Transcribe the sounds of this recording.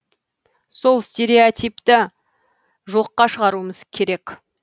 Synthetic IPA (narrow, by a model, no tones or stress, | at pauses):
so̞lˠst̪e̞ɾeot̪ijpt̪ɪ | ʒo̞qːɑʃəʁɑɾuəməz̥kʲʰe̞ɾe̞k